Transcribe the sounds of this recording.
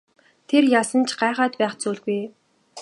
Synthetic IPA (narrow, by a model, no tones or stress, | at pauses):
t̪ʰerjasə̆nt͡ɕʰɢaːχaːt̪̚pæːχt͡suːɮɣuj